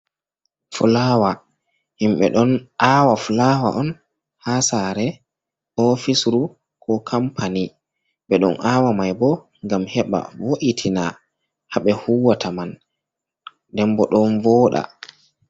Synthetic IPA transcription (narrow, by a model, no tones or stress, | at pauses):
fulaːwa | himɓɛ̰ɗɔnʔaːwafulawa̰ʔɔn | hasaɾɛ | ʔɔfisɾu | kʰɔkʰampʰani | ɓɛɗɔ̰nʔaːwamajbɔ | ŋɡamhɛɓa̰voʔitʰina | haɓɛhuwatʰaman | dɛmbɔɗɔnvɔːɗa̰